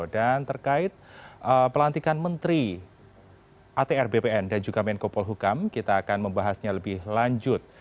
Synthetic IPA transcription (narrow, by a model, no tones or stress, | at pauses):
dant̪ərkaɪt̪̚ʔəpəlant̪ikanmənt̪ɾi | ʔat̪eɛrbepeɛndand͡ʒuɡamɛnkopɔlɦukamkit̪aːkanməmbaɦasɲaləbɪhlaɲd͡ʒʊt̪̚